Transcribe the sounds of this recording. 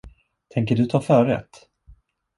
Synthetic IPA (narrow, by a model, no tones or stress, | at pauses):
t̪ʰɛŋk̬əɖɵt̪ʰɑːfœːɾɛ̰t̪